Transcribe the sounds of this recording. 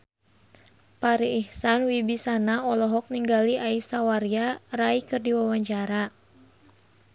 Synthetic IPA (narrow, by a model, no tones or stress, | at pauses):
paɾiːhsanwibisanaɔlɔɦɔk̚niŋɡaliʔaisawaɾjaraikɨrdiwawaɲt͡ʃaɾa